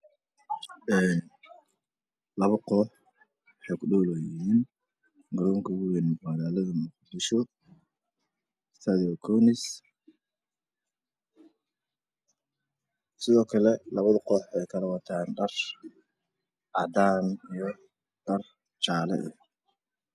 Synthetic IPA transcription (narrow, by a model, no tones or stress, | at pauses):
ɛːn | lɐβɐqɔːħ | wɑħɑjkʰʊɖɔːlɛjɪɦiːn | ɡɐɾɔːŋkʰɐʊɣʊjɛnmʊwaːðaːlɐðɐmʊqd̪ɪʃɔ | st̪ʰɐðiɔkʰɔwnɪs | sɪðɔːkʰɐlɛlɐβɐðɐqɔːħɛjkʰɐlɐwɑt̪ʰaːnɖɐr | ʔɑd̪aːnijɔ | ɖ̥ɐr | t͡ʃaːlɛ̰ʔɛ